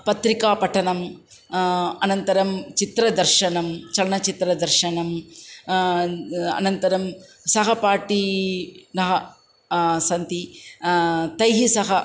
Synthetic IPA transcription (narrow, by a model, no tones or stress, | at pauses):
pɐt̪ɾikaːpɐʈʰɐnɐm | ɐnɐnt̪ɐɾɐmt͡ʃit̪ɾɐd̪ɐɾʃɐnɐmt͡ʃɐlɐɳɐt͡ʃit̪ɾɐd̪ɐɾʃɐnɐm | ɐ̰nɐnt̪ɐɾɐm | sɐɦɐpaːʈi | nɐɦɐ | sɐnt̪i | t̪ɐjɦisɐɦɐ